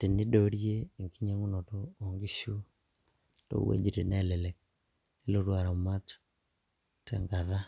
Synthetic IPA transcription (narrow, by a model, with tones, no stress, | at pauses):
ti˨ni˦do˨ɾje˦˨ŋki˦ɲe˦ŋu˦no˨toːŋɡi˦ʃu˦ | to̰wḛ˦d͡ʒiɾe˨nalele˨k̚ | e˦lo˦ɾwa˨ɾa˨ma˦t | tḛŋɡaða˦